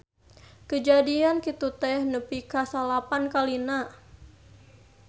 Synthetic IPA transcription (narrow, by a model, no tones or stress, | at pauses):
kəd͡ʒadiankit̪ut̪ɛhnəpikasalapankalina